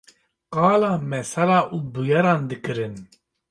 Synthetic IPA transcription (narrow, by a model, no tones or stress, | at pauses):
qɑːlɑːmɛsɛlaːʔuːbujɛɾɑːnd̪ɨkɨɾɨn